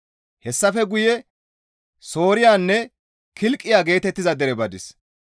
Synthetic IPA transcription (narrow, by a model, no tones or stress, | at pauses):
hɛsːɐfɛɡʊjɛ | so̞ːɾɪjaːnːɛ | kʰɪlkʼːɪjaːɡe̞ːt̪ɛt̪ːɪzɐd̪ɛɾɛbɐd̪ɪs